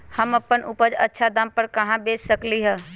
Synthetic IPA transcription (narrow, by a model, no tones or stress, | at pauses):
həməpːənʔupəd͡ʒətːʃʰad̪ampəɾkɐɦãbeːssəkliɦə